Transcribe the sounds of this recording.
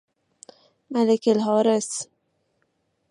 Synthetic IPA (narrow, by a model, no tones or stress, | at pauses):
mælekelɦɑːɾes